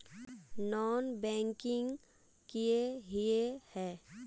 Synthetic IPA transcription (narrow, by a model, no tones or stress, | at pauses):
nɔːnbɛ̃ːŋkɪ̃ŋɡ | kieɦijehɛː